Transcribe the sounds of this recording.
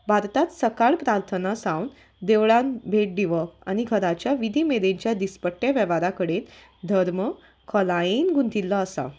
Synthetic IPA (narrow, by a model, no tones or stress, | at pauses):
bʱaɾt̪at̪səkaɭpɾaɾt̪ʰənasãwn | d̪eʋɭãnbʱeʈ̚d̪iʋəa̰ɽ̃iɡʱəɾat͡ɕjaʋid̪ʱiːmeɾeɲt͡ɕjad̪ispəʈːjeaʋəʋaɾakəɽeːn | d̪ʱəɾmə | kʰəlainɡʱunt̪ilːəːsa̰